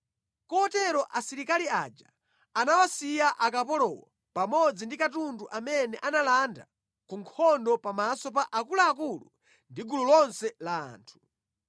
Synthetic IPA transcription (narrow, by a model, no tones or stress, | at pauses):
kɔːtɛɾɔʔasiɾikalia̰d͡ʒa̰ | anawasijaʔak̬apɔlɔwɔ̰ | pamɔd͡zindikatunduʔamɛnɛʔanalanda̰ | kuŋkʰɔndɔpamasɔpaʔakulaːkulṵ | ndiɡululɔnsɛlaa̰ːntʰu̥